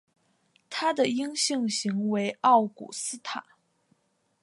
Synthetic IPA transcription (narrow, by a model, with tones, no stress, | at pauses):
t̪ʰa˥d̪ə˨i˥ŋɕi˥˧ŋɕi˧˥ŋwe˧˥ɪɑ˥˩ʊkṵ˨˩sɹ̩˥t̪ʰa˨˩˦